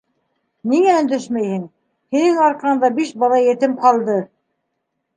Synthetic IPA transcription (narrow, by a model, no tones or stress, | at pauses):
niŋæɵ̆nd̪ɘʃmæjhɘŋ | hinɘŋɑɾqɑɤ̆nd̪ɑbiʃbɑlˠɑjɘ̆t̪ɘmqɑlˠd̪ɤ